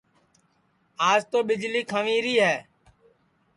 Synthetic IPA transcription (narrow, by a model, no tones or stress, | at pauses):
aːd͡ʒt̪oːɓɪd͡ʒliːkʰəʋĩːɾiːɦɛː